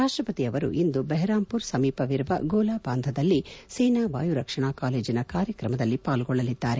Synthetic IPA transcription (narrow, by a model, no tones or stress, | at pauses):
ɾaːʂʈɾɐpɐt̪iɐʋɐɾṵʔind̪ubɛɦɛɾaːmpuɾsɐmiːpɐʋiɾbɐ̰ɡoːlaːbaːnd̪ʱɐd̪ɐlːisɛjnaːʋaːjuɾɐkʂɐɳaːkaːle̞ːd͡ʒinɐkaːɾjɐkɾɐmɐd̪ɐlːipaːlɡɔɭːɐlid̪ːaːɾe